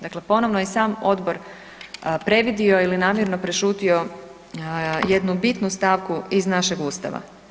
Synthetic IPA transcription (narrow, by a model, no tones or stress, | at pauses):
d̪akle̞po̞no̞ʋnojesaːmo̞d̪bo̞ɾ | pɾe̞ʋid̪io̞ilinaːmjeɾnopɾeʃuːt̪io̞ | jed̪nubit̪nust̪aːʋkuiznaʃeɡuːst̪a̰ʋa̰